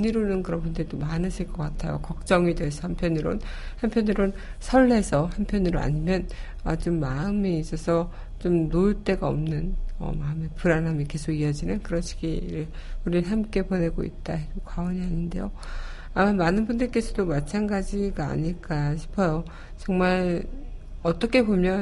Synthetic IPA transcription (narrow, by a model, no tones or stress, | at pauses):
ɲiɾonɯnkɯɾʌnbundɯɾitomanɯɕʰiɭk͈ʌk͈atʰajo̰kʌk̚t͡ɕ͈ʌŋidwesʰʌhampʰjʌnɯɾo̰nhampʰjʌnɯɾonsʰʌɭːe̞sʰʌhampʰjʌnɯɾoa̰ɲimjʌn | ʌt͡ɕomːaɯmeis͈ʌsʰʌ | t͡ɕomnoɯɭt͈e̞ɡaʌ̰mnɯnʌ̰maɯmepɯɾanɦamike̞sʰoɡiʌd͡ʑinɯnkɯɾʌɕʰi̥ɡiɾɯɭ | uɾiɭɦamk͈e̞pone̞ɡo̰ḭt̚t͈aekwawʌɲiɦaɲinde̞̰jo | amamanɯnbundɯɭk͈e̞sʰʌdomat͡ɕʰanɡad͡ʑiɡa̰ːɲiɭk͈aɕʰi̥pʰʌjo | t͡ɕʌŋmaɭ | ʌt͈ʌkʰe̞bomjʌ